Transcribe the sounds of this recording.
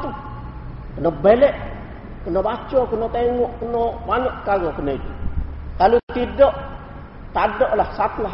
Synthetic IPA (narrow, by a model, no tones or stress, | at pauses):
t̪u | kənobelɛʔ | kənobat͡ʃɔkənot̪eŋuʔkənobaɲɔʔkaɡokənoit̪ukalut̪idɔʔ | t̪adoʔlahsat̪la